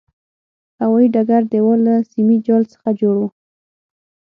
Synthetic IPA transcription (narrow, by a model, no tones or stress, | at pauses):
hawɑiɖaɡaɾd̪ewɔlasimid͡ʒɑlsə̥xad͡ʒoɽu